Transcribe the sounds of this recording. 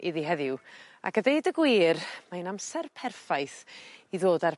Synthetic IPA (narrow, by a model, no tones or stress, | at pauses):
ɪðiɦɛðɪw | a̰kədejdəɡwiːrmaɨnamsɛrpʰɛrfajθiðoːdar